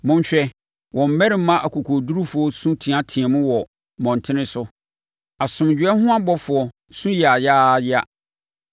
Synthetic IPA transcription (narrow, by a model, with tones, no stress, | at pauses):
mʊ̃˦ɲ˦ɕᶣɛ˦ | wʔɔ̃˨m̩˨bɛ˦ɾɪ˨m̩˦mã˦ʔa˨kʰo˨kʰo˨du˦ɾu˦fʊ˨˦ɔ˦sũ˦tʰĩ˨a˦tʰĩ˨ɛ˨mʊ̃˦wɔ˨ | mɔ̃˨n˨tʰɪ̃˦nɪ̃˦sʊ˦ | a˨sʊ̃˨m˨d͡ʑᶣɛ˦hʊ̃˦a˦bɔ˦fʊ˨ɔ˨ | sũ˦jɛ˨a˨jaː˦˨jɪ˦a̰˦